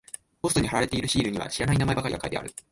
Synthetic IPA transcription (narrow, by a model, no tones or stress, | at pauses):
bo̞sɯ̥t̪o̞ɲ̟ihaɾaɾe̞t̪e̞iɾɯ̟ɕiːɾɯ̟ɲ̟iβa̰ɕiɾanainamae̞bakaɾiɡakaɾid̪e̞a̰ɾɯ̟